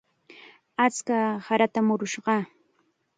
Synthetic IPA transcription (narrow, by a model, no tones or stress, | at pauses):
at͡skahaɾat̪amʊɾʊʃɢɑ